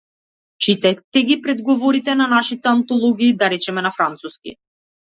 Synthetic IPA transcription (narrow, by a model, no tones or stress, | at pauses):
t͡ʃit̪ɛt̪ɛɡʲipɾɛd̪ɡɔvɔɾit̪ɛnanaʃit̪ɛant̪ɔlˠɔɡʲiːd̪aɾɛt͡ʃɛmɛnafɾant̪suskʲḭ